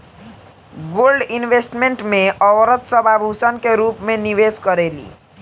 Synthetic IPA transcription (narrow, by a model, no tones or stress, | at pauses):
ɡolɖinbʱesʈmeɳʈmeʌwɾʌt̪sʌbʱabʱusʌnkeɾupmeniweskʌɾelḭ